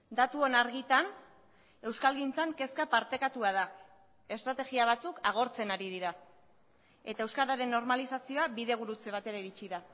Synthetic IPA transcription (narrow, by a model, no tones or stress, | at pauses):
d̪at̪uonaɾɣit̪an | e̞wskalɣint͡saŋke̞skapaɾt̪e̞kat̪uað̞a | e̞st̪ɾat̪e̞ɣiaβ̞at͡sukʰaɣ̞o̞ɾt͡se̞naɾið̞iɾa | e̞t̪ae̞wskaɾaɾe̞nːo̞ɾmalisasio̞abiðe̞ɣ̞uɾut͡seβat̪e̞ɾeɾit͡ʃiða